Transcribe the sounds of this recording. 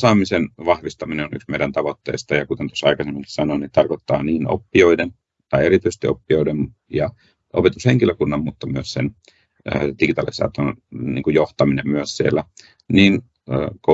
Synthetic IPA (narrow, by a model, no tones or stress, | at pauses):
sɑːmisenʋɑhʋist̪ɑmineony̰ksmeiɾænt̪ɑʋot̪ːḛːst̪ɑjɑkut̪ent̪osːɑikɑsemːiŋki̥sɑnonit̪ɑrkot̪ːɑːniːno̰pːioiden | t̪ɑieɾit̪yise̥st̪ḭo̰pːioiden | jɑ | ʔo̰pet̪usheŋkiløkunːɑmmut̪ːɑmyøssḛn̰ː | d̥iɡit̪ɑ̰lisɑ̰ːt̪onḭːŋkujoht̪ɑminemmyøssielːæ | niːn | ə̰ːko